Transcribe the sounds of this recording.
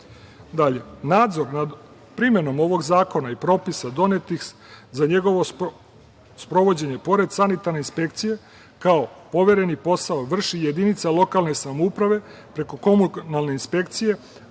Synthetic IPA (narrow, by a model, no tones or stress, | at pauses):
d̪aʎe̞naːd̪zo̞ɾnad̪ | pɾime̞no̞mo̞ʋo̞ɡzaːko̞naipɾo̞pisad̪o̞ne̞t̪ix | zaɲe̞ɡo̞ʋo̞ | spɾo̞ʋo̞d͡ʑe̞ɲe̞po̞ɾe̞d̪sanit̪aɾne̞inspe̞kt̪sije̞ | kaopo̞ʋe̞ɾe̞nipo̞saoʋr̩ʃije̞d̪init̪salˠo̞kalˠne̞samoupɾaʋe̞pɾe̞ko̞ko̞munalˠneinspe̞kt̪sije̞